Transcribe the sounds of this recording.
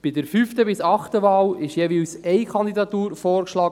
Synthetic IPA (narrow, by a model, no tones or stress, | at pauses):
b̥ɪdəɾfyftəbɪsɑχt̪əvɑːlɪʃjɛʋiːlsɛjkʰɑnd̪id̪ɑt̪uːɾfɔːɾkʃlɑːɡ